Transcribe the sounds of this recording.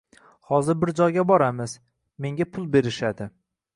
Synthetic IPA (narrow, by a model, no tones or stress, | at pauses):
hɒzɪɾbɪɾd͡ʒɒjɡʲabɒɾamɪz̥ | me̞ŋɡʲapʰʊlˠbe̞ɾɪʃad̪ɪ